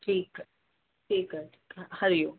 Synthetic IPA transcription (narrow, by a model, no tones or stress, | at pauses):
ʈʰiːk | ʈʰiːkəʈʰiːkhɐɾjo